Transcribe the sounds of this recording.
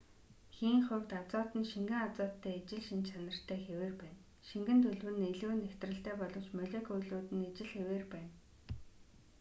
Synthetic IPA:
xiːŋχʊ̟wt̪at͡sɔːt̪ɘ̆nʃiŋɡɘ̆ŋat͡sɔːt̪ʰːæːet͡ɕɪ̆ɮʃint͡ɕʰanə̆r̥t̪ʰːæːxeweːrpæːn | ʃiŋɡɘ̆nt̪ʰɵɮwɘ̆neɮuːnːekʲt̪rɘ̆ɬt̪æːpɔɮɞ̆w̥t͡ɕmœɮʲeːkɵjɮuːt̪ɘ̆net͡ɕɪ̆ɮxeweːrpæːn

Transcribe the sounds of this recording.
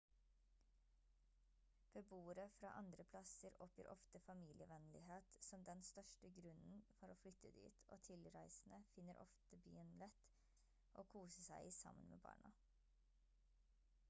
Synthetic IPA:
b̥əbuːəɾəfɾɑ̰ːʔɑnd̪ɾəpʰlɑsəɾɔpjə̰ːɾʔɔft̪əfɑmiːlɪəʋɛnlɪheːt̪sɔmd̪ɛnst̪œʂʈəɡɾʉnn̩fɔɾoːflʏt̪ʰːəd̪y̰ːt̪ʰo̰ːt̪ʰɪlɾæɪsn̩əfɪnːəɾʔɔ̰ft̪əby̰ːənlɛt̪ | ʔoːkʰuːsəsæɪsɑ̰mə̰nmʔḛːbɑ̰ːɳɑ

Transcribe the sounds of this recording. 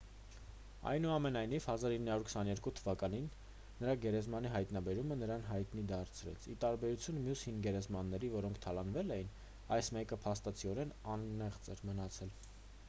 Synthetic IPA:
ɑ̰jnuɑmɛnɑjniv̥hɑzɑɾinːəhɑɾuɾkʰsɑnjɛɾkut̪ʰəvɑkɑninː | əɾɑɡɛɾɛzmɑniɦɑjt̪nɑbɛɾumənəɾɑnɦɑjt̪nid̪ɑɾt͡sʰɾɛ̰t͡sʰit̪ɑɾbɛɾut͡sʰjunmjushinɡɛɾɛzmɑnːɛɾivɔɾɔŋkʰt̪ʰɑlɑnvɛlɛjin | ɑjsmɛkəpʰɑst̪ɑt͡sʰiɔɾɛnɑnːɛχt͡sɛɾmənɑt͡sʰɛl

